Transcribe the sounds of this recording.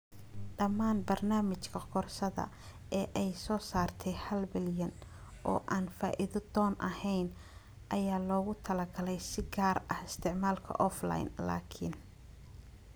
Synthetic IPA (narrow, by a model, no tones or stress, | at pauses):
ɖɐmaːnbɐrnaːmɪt͡ʃkʰɐqɔrʃɐðɐ̰ | ʔɛːʔɛjsɔːsaːrt̪ʰɛjhɐlbɪljɐnʔɔ̰ːʔaːnfaːʔɪðɔd̪ɔːnʔɐhɛjn | ʔɐjaːlɔːɣʊt̪ʰɐlɐɡɐlɛjsɪɡaːrɐhɪst̪ʰɪʕmaːlkʰɐ̰ʔɔfla̰jnla̰ːkʰɪn